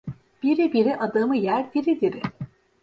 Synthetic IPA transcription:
b̥iɾibiɾiʔɐd̪ɯmɯjæɾd̪iɾid̪iɾi

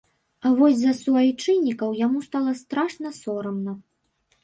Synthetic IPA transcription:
ɐvɔsʲzɐsuajt͡ʂɨnʲːikɐwjamust̪alˠɐst̪ɾaʂnɐsɔɾɐmnɐ

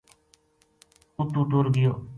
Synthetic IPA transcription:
uʈuʈuɾɡɪjoː

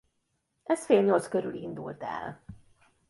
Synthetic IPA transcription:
ʔɛsfeːlɲo̞lt̪skøɾylind̪ult̪ɛ̰l

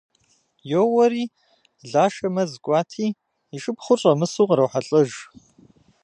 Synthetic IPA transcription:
jowɐɾiː | ɮaːʃɐmɐzkʷʼɑːtʰiː | iʃɨpχʷʊɕʼɐmɨsuːqɾɐwħaɬʼɐʒ

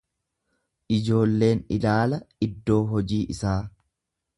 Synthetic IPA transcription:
ʔɪd͡ʒo̞ːlːe̞ːnɪlaːlɐɪd̪ːo̞ːɦɔd͡ʒiːʔɪsaː

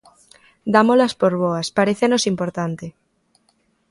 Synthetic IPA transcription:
d̪amolaspoɾβoaspaɾeθenosimpoɾt̪ant̪e

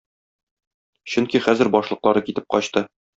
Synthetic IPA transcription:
ɕɵŋkiχæzɘɾbɒʃlˠɤ̆qlˠɑɾɤkit̪ɘp̚qɒɕt̪ɤ

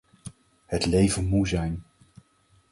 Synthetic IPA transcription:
hətlejvənmuzɛjn

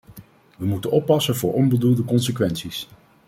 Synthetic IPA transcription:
ʋəmutənɔpːɑsənvʊːɹʔɔnbədulˠdəkɔnsəkʋɛnsis

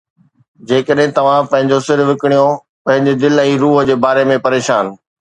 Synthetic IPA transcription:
d͡ʑeːkəɗɦɪ̃t̪ɐʋ̤ãpɐ̃ɦɪ̃ɲd͡ʑosɪɾʋɪkɪɽ̃ijo | pɐ̃ɦɪ̃ɲd͡ʑed̪ɪlɛ̃ːɾuːɦə̆d͡ʑeːbaːɾemẽpɐɾeːʃaːn

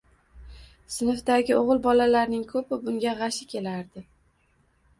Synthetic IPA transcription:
sɪnɪfd̪aɡʲɪoʁɨlˠbɒlalaɾnɪŋkʰɵpɪbʊŋɡʲaʁɑʃɪkʲʰe̞laɾd̪ɪ

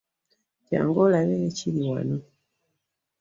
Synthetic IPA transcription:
kja̰ŋɡɔlaβɛt͡ʃiliwa̰nu

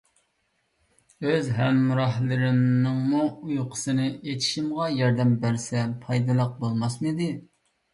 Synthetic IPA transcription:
øzɦɛmːɾɑɦlˠɨɾɪmnɨŋmuujqʰə̥sɨnɨʔet̪ʰɪ̥ʃimʁɑjɑɾd̪ɛmbæɾsɛpʰɑjd̪ɨlˠəq̚bolˠmɑsmɨd̪ɪ

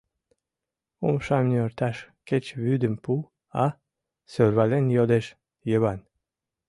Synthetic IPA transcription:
umʃɑmnʲyoɾt̪ɑʃket͡ɕβyd̪ə̆mpu | ɑ | sørβalenjod̪eʃ | jəβɑn

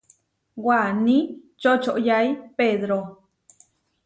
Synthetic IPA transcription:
wanĩ | t͡ʃot͡ʃoʔjajpeðɾo

